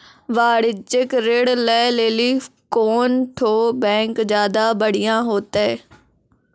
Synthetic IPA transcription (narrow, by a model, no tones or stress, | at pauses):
ʋaːɽɪd͡ʒɪkɾeːɽlɛːleːliːkoːnʈʰoːbɛ̃ːŋkd͡ʒjaːd̪aːbəɽɪjãːɦoːt̪eː